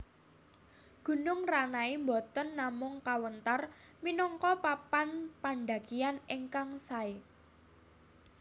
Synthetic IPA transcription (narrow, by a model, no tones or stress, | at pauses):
ɡ̥ṳnʊŋranaimbɔt̪ənːamʊŋkawənt̪arminɔŋkɔpapanpaɳɖa̤kianeŋkaŋsae